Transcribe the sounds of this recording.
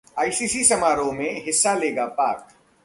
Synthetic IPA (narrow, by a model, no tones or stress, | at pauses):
aːisiːsisɐmaːɾõmẽɦɪsːaleːɡapaːk̚